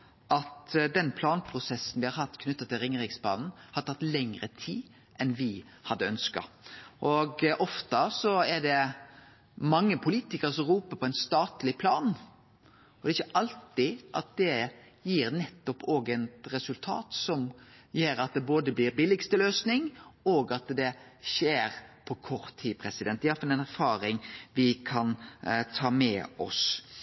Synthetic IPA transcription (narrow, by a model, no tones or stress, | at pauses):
ʔɑt̪d̪ɛnpʰlɑːnpʰɾʊsɛsːn̩ʋɪhɑɾhɑt̪ːkʰnʉt̪ːɑt̪ʰɪlɾɪŋːɾɪɡsbɑ̰ːnn̩hɑt̪ʰɑt̪ːlɛŋɾət̪ʰiː | ʔɛnʋɪ | hɑd̪ːəœnskɑ̰ | ʔɔɡʔɔft̪əsɔɛɖɛ | mɑŋːəpʰʊliːt̪ɪkəɾəsɔmɾuːpəpʰɔɛɪnst̪ɑːt̪lɪpʰlɑːn | ɔd̪ɛɪçːəʔɑlt̪ɪʔɑt̪̚d̪ɛ | jiːɾnɛt̪ːɔpʰoːɡɛnt̪ɾɛsʉlt̪ʰɑ̰ːt̪sɔmjeːɾɑt̪̚d̪ɛboːd̪əblɪɾbɪlɪɡst̪əløːsnɪŋɔɡɑt̪d̪ɛʃeːɾpʰɔkʰɔɾt̪ʰːiːpʰɾɛsɪd̪ɛnt̪ææɾfɑlɛnæɾfɑːɾɪŋʋɪkʰɑnt̪ʰɑːmɛ̰ɔ̰s